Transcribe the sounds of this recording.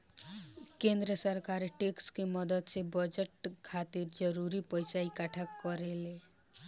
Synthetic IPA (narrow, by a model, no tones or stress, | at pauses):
kẽnd̪ɾəsəɾkaɾʈekskemʌd̪əd̪sebəd͡ʒəʈkʰat̪iɾd͡ʒəɾuɾipəjsaikaʈʰakɔɾele